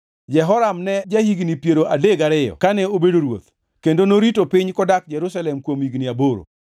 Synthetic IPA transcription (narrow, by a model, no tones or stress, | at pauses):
d͡ʒɛɦɔɾamnɛd͡ʒahiɡnipjeɾoʔadeɡaɾɪjɔ̰kanɛobedoɾwo̰t̪ | kendonoɾitopɪɲkɔdak̚d͡ʒɛɾusalɛmkwomiɡniaboɾo̰